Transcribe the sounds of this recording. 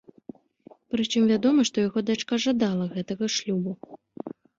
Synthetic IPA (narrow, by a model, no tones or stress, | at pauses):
pɾɨt͡ʂɨmvʲad̪ɔmɐʂt̪ɔjaɣɔd̪at͡ʂkaʐad̪alˠɐɣɛt̪ɐɣɐʂlʲubu